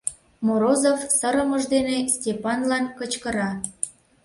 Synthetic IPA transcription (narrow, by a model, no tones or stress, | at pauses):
moɾozofsəɾə̆məʒd̪enestʲepɑnlɑnkət͡ɕkəɾɑ